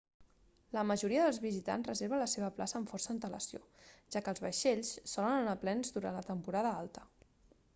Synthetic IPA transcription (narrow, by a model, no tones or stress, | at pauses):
ləməʒuɾiəðəlˠzβizit̪a̰nzrəzeɾβələseβ̞əplasəːɱfɔrsənt̪ələ̰sio̰ʒ̥akəːlˠzβəʃeʎsːɔlənənaplɛnzd̪uɾa̰nlət̪əmpuɾaðəalˠt̪ə̥